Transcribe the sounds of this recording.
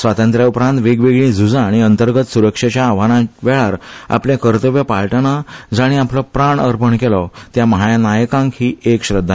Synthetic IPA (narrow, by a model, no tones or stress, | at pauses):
sʋat̪ənt̪ɾjaupɾãnt̪ʋeɡʋeɡɭĩd͡zud͡zãːɽ̃iənt̪əɾɡət̪suɾəkʂet͡ɕjaːʋ̤añãʋɛɭaɾa̰pljakəɾt̪əʋjəpalʈənad͡zaɽ̃ĩapləpɾaɳəɾpəɳkelat̪jaməɦajanajəkãŋkhiːekɕɾəd̪ʱːa